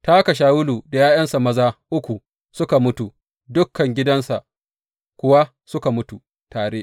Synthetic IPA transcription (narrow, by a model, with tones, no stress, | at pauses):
taː˦ka˨ʃ̬aː˦wʊ˦luː˨da˨jaː˦jɐ˦nsa˨mɐ˦zaː˦ʔʊ˦kʷu˨ | sʊ˦ka˨mʊ˦tu˨ | dʊ˦kːɐ˨ŋɡʲɪ˦dɐ˦nsa˨ʔ | kʷʊ˦wa˦ | sʊ˦ka˨mʊ˦tu˨ | taː˨ɽeː˦ʔ